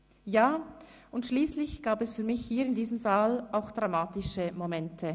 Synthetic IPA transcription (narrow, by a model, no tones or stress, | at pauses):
jaːʊntʃliːslɪçɡ̥aːbɛsfyːɐmɪçhiːɪndiːzəmzaːlaʊxd̥ʁamaːtɪʃəmomɛntʰə